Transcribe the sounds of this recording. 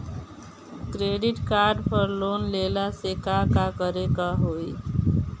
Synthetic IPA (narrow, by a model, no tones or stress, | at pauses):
kɾeːɖɪʈkaːɾɖpʰəɾloːnleːlasekakakəɾekaɦoːi